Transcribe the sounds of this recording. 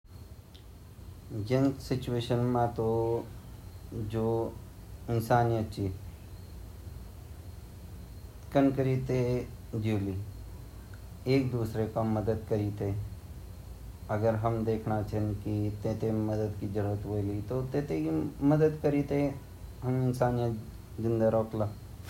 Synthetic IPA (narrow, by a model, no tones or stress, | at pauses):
d͡ʒẽnsɪt͡ʃueːʃənmãt̪o | d͡ʒoː | ɪnsaːnijət̪̚t͡ʃʰi | kənkəɾit̪e | d͡ʒiːli | eːk̚d̪uːsɾekaməd̪əd̪kəɾit̪e | əɡəɾɦəmd̪eːkʰnat͡ʃʰənkit̪eːt̪eməd̪əd̪kid͡ʒəɾuːɾət̪ʋoːlit̪ot̪ẽːt̪ekiməd̪əd̪kəɾiːt̪e | ɦəmɪnsaːnijə | zɪ̃nd̪aɾoːkla